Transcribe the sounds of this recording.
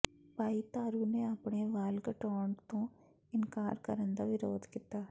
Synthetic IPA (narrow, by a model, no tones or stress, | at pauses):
paːit̪aːɾuːneːapɳeːʋaːlɡəʈɔːɳɖt̪õː | ɪnkaːɾkəɾənd̪aːʋɪɾoːd̪kit̪aː